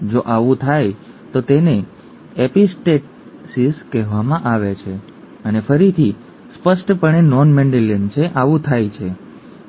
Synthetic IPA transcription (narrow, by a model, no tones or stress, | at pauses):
d͡ʒoʔaʋũt̪ʰaj | t̪ot̪ene | episʈeʈ | sizkɛɦʋamãʔaʋet͡ʃʰe | ənefəɾit̪ʰi | spəsʈpəɳ̃enɔnmeɳɖilənt͡ʃʰeʔaʋũt̪ʰajt͡ʃʰe